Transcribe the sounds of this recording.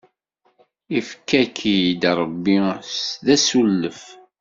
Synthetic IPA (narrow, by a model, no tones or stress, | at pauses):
ifkːækʰijd̪ɾˤəbːisðæsulːəf